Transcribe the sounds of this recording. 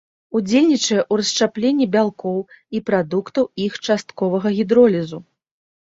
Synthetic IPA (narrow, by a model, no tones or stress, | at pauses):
ud͡zʲelʲnʲit͡ʂɐjɛʔuɾɐst͡ʂaplʲenʲːibʲalˠkɔw | ipɾad̪ukt̪ɐwixt͡ʂast̪kɔvɐɣɐɣʲid̪ɾɔlʲizu